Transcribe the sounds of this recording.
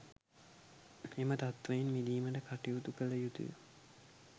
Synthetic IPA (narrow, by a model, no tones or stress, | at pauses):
emət̪at̪ʋɐjinmid̪iːməʈəkaʈiut̪ukəlɐjut̪ṵjṵ